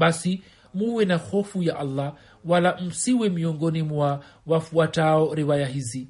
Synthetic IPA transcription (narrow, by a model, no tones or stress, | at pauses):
ɓasi | muwɛnaxɔfujaʔalːa | walam̩siwɛmiɔŋɡɔnimwawafuataɔɾiwajaɦizi